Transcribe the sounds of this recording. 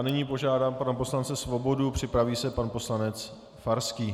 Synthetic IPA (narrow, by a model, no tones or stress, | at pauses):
nɪɲiːpo̞ʒaːdaːmpanapo̞slant͡sɛsvo̞bo̞dupr̝̥ɪpɾaviːsɛpanpo̞slanɛt͡s | faɾskiː